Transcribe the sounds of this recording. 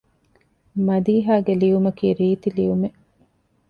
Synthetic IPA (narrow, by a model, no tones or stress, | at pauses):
mɐd̪iːɦaːɡeliʋumɐkiːɾiːt̪iliʋume